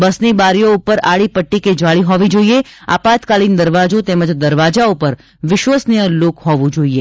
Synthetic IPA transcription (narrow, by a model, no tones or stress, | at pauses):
bəsnibaɾjoupəɾaɭipəʈːiked͡ʒaɭiɦɔʋid͡ʒoiea̰pat̪kalind̪əɾʋad͡ʒot̪ɛməd͡ʒd̪əɾʋad͡ʒaupəɾ | ʋɪʃʋəsnijəlokɦɔʋũd͡ʒoie